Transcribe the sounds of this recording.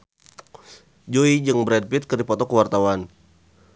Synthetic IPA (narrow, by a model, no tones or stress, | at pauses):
d͡ʒoid͡ʒɨŋbɾɛd̚pit̪̚kərdipɔt̪ɔkəwart̪awan